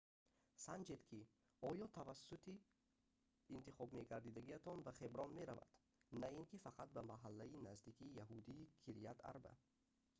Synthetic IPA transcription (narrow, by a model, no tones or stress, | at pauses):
sand͡ʒe̞d̪kʰi | ɔjɔt̪ʰavasːut̪ʰi | nt̪iχɔbme̞ɡaɾd̪id̪aɡiat̪ʰɔnbaχebɾɔnme̞ɾa̰va̰d̪̥ | nainkifaqʰat̪̚bamaɦalːainazd̪ikʰiːjaɦud̪iːkʰiɾijat̪a̰ɾba̰